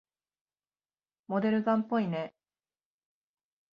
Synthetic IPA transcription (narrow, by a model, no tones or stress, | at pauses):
mo̞d̪e̞ɾɯ̟ɡãmpːo̞ine̞